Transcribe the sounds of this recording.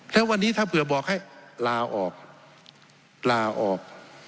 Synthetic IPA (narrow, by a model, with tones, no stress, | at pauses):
lɛ˦˥wa˧nːiː˦˥t̪ʰaː˥˩pʰɯ˨˩˦bɔː˨˩k̚ha˥˩jlaː˧ʔɔː˨˩k̚ | laː˧ʔɔː˨˩k̚